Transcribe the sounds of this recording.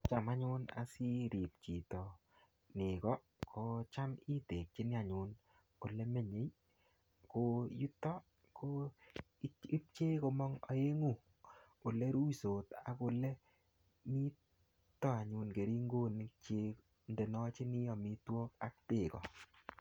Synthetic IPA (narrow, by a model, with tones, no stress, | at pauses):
t͡ʃa˨ma˦ɲʊ˦na̰˨si˦ɾi˨p̚t͡ʃi˨tɔ˨ | nɪ˨kɔ˦ | kʰɔ˨˦t͡ʃa˦mi˦te˨k̚t͡ʃi˦nɪ˦a˨ɲʊ˨n | o˨lɛ˦me˦˨ɲe˨j | ko˧ju˦tɔ˦ | kʰo˦ | i˦p̚t͡ʃe˦ko˧mɔ˦ŋɔ˨˦e˦ŋu˦˨ | o˨lɛ˦ɾu˦i˨so˨ta˨ko˨lɛ˦ | mi˦ | tːɔ˦a˨ɲʊ˨nke˨ɾi˦ŋɡo˦˨nɪ˨k̚t͡ʃe˦k | nde˨nɔ˦t͡ʃi˦nɪ˦ɔ˨mi˦twɔ˦ka˦k̚te˦˨kɔ̰˨